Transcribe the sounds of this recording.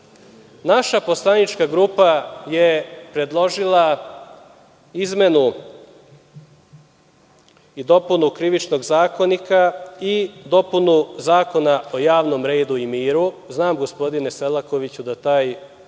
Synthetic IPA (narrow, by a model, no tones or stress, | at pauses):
naʃapo̞slˠanit͡ʃkaɡɾupajepɾe̞d̪lˠo̞ʒilˠa | izme̞nu | id̪o̞punukɾiʋit͡ʃno̞ɡzaːko̞nikaid̪o̞punuzaːko̞nao̞jaːʋno̞mɾe̞ːd̪uimiːɾuznaːmɡo̞spo̞d̪ineselako̞ʋit͡ɕud̪at̪aːj